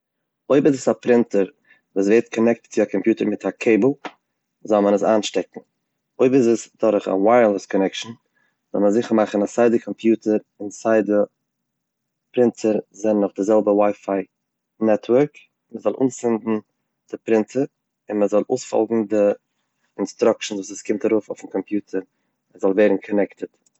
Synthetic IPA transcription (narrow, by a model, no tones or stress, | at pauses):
oɪbɪzəsapɾɪntəɾ | vuːsveɪtkʰɔnɛk̚tt͡sɪakʰɔmpjuːtəɾmɪtʰakʰeɪbl̩ˠ | zɔlˠmənəsaːnʃtɛkŋ̩ | oɪbɪzəsd̥ɔɾχa̰waɪəɾlˠəskʰɔnɛkʃn̩ | zɔ̰lˠməzɪχəɾmaχn̩asaɪdəkʰɔmpʰjuːtəɾ | ɪnsaɪdə | pɾɪntʰəɾzɛnnːɔχdɪzɛlˠbəwaɪfaɪ | nɛtʰwəɾk | məzɔlˠʔṵːnsfɪndn̩ | d̥ɪpɾɪntʰəɾ | ɪnməzɔlˠʔoːsfɔ̰lˠɡŋ̩dɪ | ɪnstɾʊkʃn̩svuːsəskɪmtaɾuːfʊfn̩kʰɔmpjuːtʰəɾ | ɛzɔlˠvɛːɾn̩kʰɔnɛktət